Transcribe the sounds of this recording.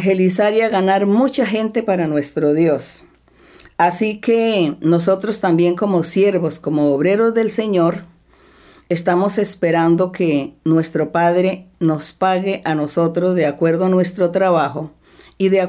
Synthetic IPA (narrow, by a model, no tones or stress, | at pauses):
xelisaɾjaɣanaɾmut͡ʃaxe̞nt̪e̞paɾanwest̪ɾoðjo̞s | asikenos̬o̞t̪ɾost̪ambje̞ŋko̞mosje̞ɾβosko̞moːβɾe̞ɾozðe̞lse̞ɲoɾ | est̪amosespeɾand̪o̞kenwe̞st̪ɾo̞paðɾeno̞spaɣeʔanoso̞t̪ɾozðeakwe̞ɾðoanwe̞st̪ɾot̪ɾaβaxo | iðea